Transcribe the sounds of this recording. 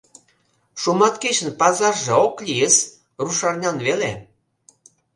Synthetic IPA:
ʃumɑt̪ket͡ɕə̆npɑzɑʒeoklʲijəs | ruʃɑrnʲɑnβele

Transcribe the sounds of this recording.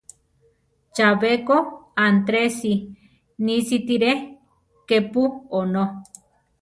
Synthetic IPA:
t͡ʃaβekoant̪ɾesi | nisit̪iɾe | kepuono

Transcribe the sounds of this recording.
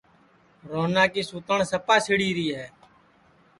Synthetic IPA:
ɾoːnaːkiːsʊːt̪əɳsəpaːsɪɽiːɾiːɦɛː

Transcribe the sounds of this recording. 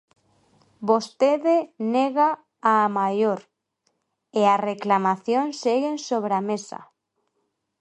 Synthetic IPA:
bost̪eðeneɣaː | majoɾ | eareklamaθjonseɣensoβɾamesa̰

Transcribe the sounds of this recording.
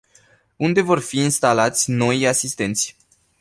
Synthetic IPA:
und̪e̞vo̞rfiːnst̪alat̪sʲno̞jasist̪e̞nt̪sʲ

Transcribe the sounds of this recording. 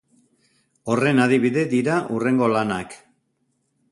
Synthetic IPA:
o̞re̞naðiβiðe̞d̪iɾaʔure̞ŋɡo̞lanak

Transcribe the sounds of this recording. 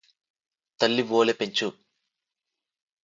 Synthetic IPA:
t̪ɐlːiʋoːlepeɲt͡ʃu

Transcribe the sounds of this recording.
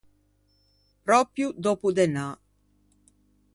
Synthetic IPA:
pɾɔːpɾjud̪ɔːpud̪ena

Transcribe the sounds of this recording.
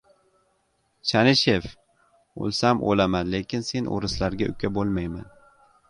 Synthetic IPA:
t͡ʃʰanɪʃe̞f | o̰lˠsamʔo̰lamanle̞kʲʰɪnse̞nʔo̰ɾɪslaɾɡʲaʔʊ̰kʲʰabolˠmajman

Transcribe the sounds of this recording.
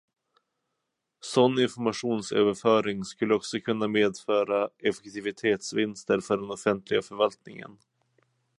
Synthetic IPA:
sɔnːɪnfɔɾmaɧuːnsø̰ːvəɾfœːɾɪŋskɵlːəɔksɔkʰɵnːameːd̪fœːɾaɛfɛkt̪ʰɪvɪt̪ʰeːt̪svɪnst̪əɾfœɖɛnɔfɛnt̪lɪɡafœɾvalt̪̚nɪ̰ŋə̰n

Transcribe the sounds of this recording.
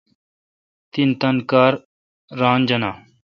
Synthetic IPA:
t̪int̪ɐnkaːɾː | ãːnd͡ʒɐnaː

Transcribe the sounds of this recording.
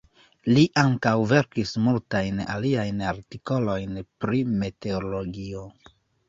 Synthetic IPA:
liʔaŋkawve̞ɾkismultajna̰liajnaɾtiko̞lo̞jnpɾime̞te̞olo̞ɡio̞

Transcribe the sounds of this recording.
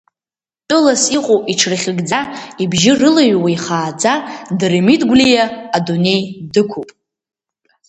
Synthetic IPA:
pʼʊlasiqʼowʔiʈ͡ʂʰrχʲɪɡd͡zaibʒɪrɨlaɥwajχaːd͡zadɨremitʼɡʷlijaːdune̞jdɨkʷʰupʼ

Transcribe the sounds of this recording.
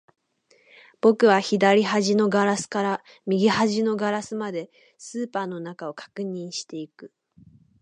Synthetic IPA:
b̥o̞kɯ̟βaçid̪aɾʲiɦaʑino̞ɡaɾasɨ̥kaɾa | mʲiɡʲihaʑino̞ɡaɾasɨmad̪e̞ | sɨːpaːno̞nakao̞kḁkɯ̟ɲ̟ĩɰ̃ɕi̥t̪e̞ikɯ̟

